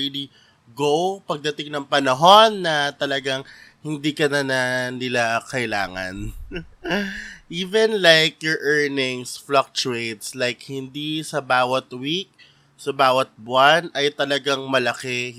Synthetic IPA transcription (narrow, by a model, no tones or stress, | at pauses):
ili | ɡowpɐɡ̚d̪ɐt̪ɪŋnɐŋpɐnɐɦo̞nːɐt̪ɐlɐɡaŋhɪnd̪ikɐnɐnɐnɪlakɐʔɪla̰ːŋɐ̰n | ʔiːvɛnlajkjɔɹʔɛɹnɪŋsflak̚t͡ʃuejt̪slajkhɪnd̪isɐbaːwɐt̪wik̚ | sɐbaːwɐt̪̚bʊanʔɐjt̪ɐlɐɡaŋmɐlɐkɛ